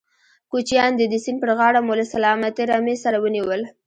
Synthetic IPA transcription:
kut͡ʃjɑnd̪əd̪əsinpəɾɣɑɽamolasalɑmat̪eɾɑmesaɾawəniwəl

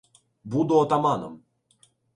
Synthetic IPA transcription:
bud̪uɔt̪amanɔ̰m

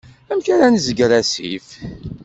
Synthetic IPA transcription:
æmkaɾænzəɡɾæsḭf

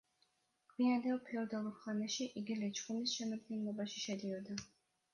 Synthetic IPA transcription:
ɡ̥wiand̪ɛlˠpʰɛɔd̪alˠuɾχanɛʃiʔiɡilɛt͡ʃʰχumisʃɛmad̪ɡɛnlˠɔbaʃiʃɛd̪iɔd̪a

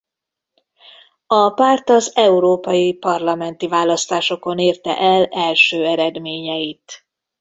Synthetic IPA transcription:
ɒpart̪ɒzɛuɾoːpɒjipɒrlɒmɛnt̪ivaːlɒst̪aːʃo̞ko̞neːrt̪ɛ̰ʔɛlɛlʃøːɛɾɛd̪meːɲɛjit̪

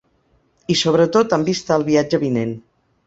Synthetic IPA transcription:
isoβ̞ɾət̪ot̪əmbist̪aəlˠβiad͡ʒəβinen

